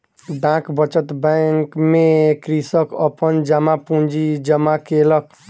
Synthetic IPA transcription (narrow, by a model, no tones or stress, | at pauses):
ɖãkbət͡ʃət̪bɛŋkmekɾisəkəpənd͡ʒamapũnd͡ʒid͡ʒəmakelək̚